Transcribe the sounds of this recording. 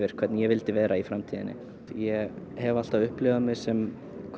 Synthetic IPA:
vɪɾ̥kʰvɛɾt̪njɛvɪlt̪ɪvɛːɾaifɾamt̪ʰiːðɪ̰nɪ̰ | jɛ | hɛval̥t̪avʏhplɪːɣamɪ̥sɛm | kʰ

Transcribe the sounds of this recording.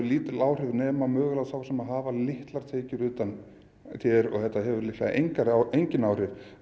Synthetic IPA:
ʏɾliːt̪ɪlaːwr̥ɪðnɛːmamœːɣlaðθawsɛmaðɦaːvalɪht̪laɾ̥t̪ʰeːjcʏɾʏːt̪an | t̪ʰjɛɾɔ̰ɣθɛht̪ːaɦɛvʏɾlɪht̪la̰ðʔḛjɲkaɾaejɲcɪnawrɪð

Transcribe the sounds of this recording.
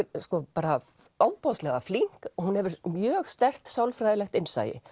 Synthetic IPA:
skɔpaːɾa | aːwpɔwst̪lɛɣafliŋ̥kɔhunhɛvʏɾmjœːɣst̪ɛr̥t̪sawlfɾajlɛxt̪ɪnsa̰ːjɪ̰

